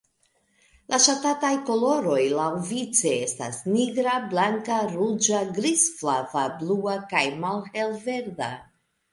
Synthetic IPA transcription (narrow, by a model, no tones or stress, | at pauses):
lʔaʃatatajko̞lo̞ɾo̞jlawvit͡se̞esta̰sniɡɾablaŋkaɾud͡ʒaɡɾisflavabluakajmalhe̞lve̞ɾda̰